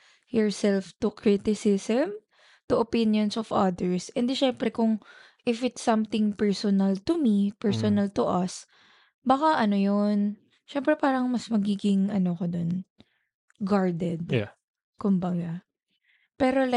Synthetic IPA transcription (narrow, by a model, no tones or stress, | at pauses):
jɔɹsɛlft̪ʊkʰɹit̪ɪsɪsɛm | t̪ʊʔɐpɪnjonsɔvɐd̪ɛɹsʔɛnd̪ɪʃɛmpɾɛkʊŋ | ʔɪfɪt̪sɐmt̪ɪŋpɛɹsɔnɐlt̪ʊmipɛɹsɔnɐlt̪ʊʔɐs | bakaʔɐnojon | ʃɛmpɾɛpaːɾɐŋmɐsmɐɡiːɡɪŋʔɐnokod̪on | ɡaɹd̪ɛd̪̚ | kʊmbɐɡa | pɛːɾol